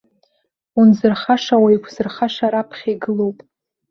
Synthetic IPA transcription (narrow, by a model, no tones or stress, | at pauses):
unzɨrχaʂawajkʷʰzɨrχaʂaɾapʰχʲejɡɨlowpʼ